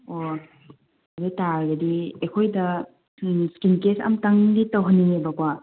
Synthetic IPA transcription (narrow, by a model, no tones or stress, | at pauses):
o | ɐbetaɾɡɐdiekʰojdɐ | skinkesɐ̰mtaŋditawɦɐnːiŋebɐkwa